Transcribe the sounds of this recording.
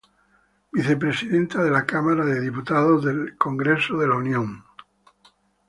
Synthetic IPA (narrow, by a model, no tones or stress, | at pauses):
biθe̞p̬ɾesiðẽ̞nt̪að̞elakamaɾaðe̞ðiput̪aðozðelko̞ŋɡɾesoðe̞launjõ̞ŋ